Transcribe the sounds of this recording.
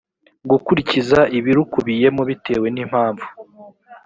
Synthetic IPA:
ɡukuɾicizaʔiβiɾukuβije̞muβite̞̰ːwe̞nim̥haːɱvu̥

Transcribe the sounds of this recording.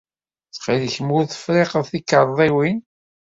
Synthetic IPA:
θχiləçəmʊɾθə̥fɾeqəðˤθikːəɾˤðˤiwin

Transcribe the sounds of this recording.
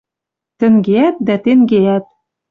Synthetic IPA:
t̪ɘ̆ŋɡeæt̪̚d̪æt̪eŋɡeæt̪̚

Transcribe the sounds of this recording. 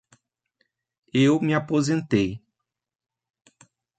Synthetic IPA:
ewmɪapozẽnt̪ej

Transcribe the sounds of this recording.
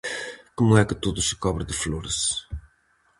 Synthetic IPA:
komuɛkɨt̪uðusɨ̥kɔβɾɨðɨfloɾʃ

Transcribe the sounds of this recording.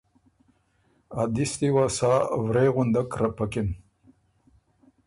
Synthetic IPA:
ad̪ist̪iwasaːvɾeɣʊnd̪akɾapakɪn

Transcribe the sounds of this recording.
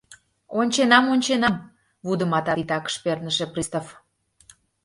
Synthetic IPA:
onʲt͡ɕenɑmonʲt͡ɕenɑm | βud̪əmɑt̪ɑit̪ɑkə̥ʃpernəʃeprist̪of

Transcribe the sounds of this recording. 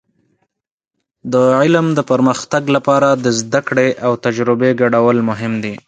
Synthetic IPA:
d̪əʕɪlmd̪əpəɾməxt̪aɡlapɑɾad̪əzd̪akɽeʔawt̪ad͡ʒɾɪbeɡaɽawəlmʊɦɪmd̪i

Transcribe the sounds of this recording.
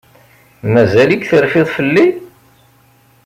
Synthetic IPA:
mæzælikθəɾfɪðˤfəlːi

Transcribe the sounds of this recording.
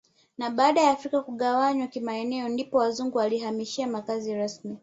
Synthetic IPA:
naɓaːɗajaːfɾikakuɠawaɲwakimaɛnɛɔndipɔwazuŋɡuwaliɦamiʃiamakaziɾasmi

